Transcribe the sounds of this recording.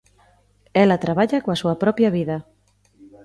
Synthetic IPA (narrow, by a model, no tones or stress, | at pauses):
ɛlat̪ɾaβ̞aʎakoasuɐpɾɔpjɐβiðɐ